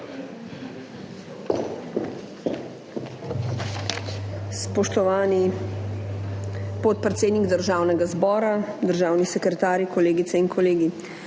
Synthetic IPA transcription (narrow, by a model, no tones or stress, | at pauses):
spɔʃt̪ɔʋaːni | pɔt̪̚pɾɛt̪seːd̪niɡd̪əɾʒaːwnɛɡazbɔːɾad̪əɾʒaːwnisɛkɾɛt̪aːɾjikɔleːɡit̪sɛinkʰɔleːɡi